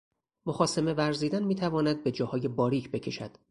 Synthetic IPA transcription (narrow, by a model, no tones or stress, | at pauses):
moxɒːseme̞væɾziːd̪ænmiːt̪ʰævɒːnæd̪̚be̞d͡ʒɒːhɒːje̞bɒːɾiːcʰbe̞cʰe̞ʃæ̰d̪̥